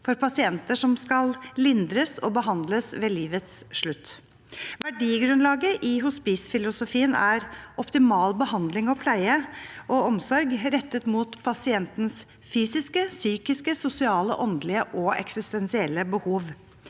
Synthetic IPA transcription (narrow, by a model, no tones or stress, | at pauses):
fɔɾpɑsɪɛnt̪əʂɔmskɑllɪnd̪ɾəsɔbəɦɑnd̪ləsʋeːliːʋət̪sʂɭʉt̪ː | ʋæɖiːɡɾʉnlɑːɡəʔɪɦʊspiːsfɪlʊsʊfiːənæɾʔɔpt̪ɪmɑːlbəhɑnd̪lɪŋɔpʰlæɪəʔɔɔmsɔɾɡɾɛt̪ːət̪muːt̪pʰɑsɪɛnt̪ns | fyːsɪskəsyːkɪskəsʊsɪɑːlə̰ʔɔnd̪lɪəʔɔɛ̰ksɪst̪ɛnsɪɛlːəbəhuːʋ